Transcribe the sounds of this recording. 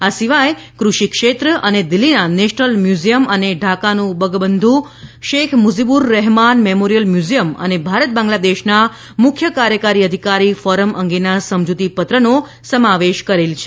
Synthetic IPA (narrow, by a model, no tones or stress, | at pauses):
asiʋajkɾuʃikʃet̪ɾəʔəned̪ɪlːinaneʃnəlmjuzijəməneɖʱakanũbəɡbənd̪ʱũ | ʃekʰmuzibuɾːɛɦmanmemoɾijəlmjuzijəmə̰nebʱaɾət̪̚bãŋɡlad̪eʃna | mʊkʰjəkaɾjəkaɾiəd̪ʱikaɾifɔɾəmʔəŋɡenasəmd͡ʒut̪ipət̪ɾəno | səmaʋeʃkəɾelt͡ʃʰe